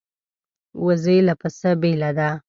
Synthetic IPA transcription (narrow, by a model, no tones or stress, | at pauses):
wazejlapasabelad̪a